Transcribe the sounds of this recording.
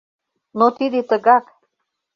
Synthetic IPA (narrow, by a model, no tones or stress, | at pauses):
not̪id̪et̪əɣɑk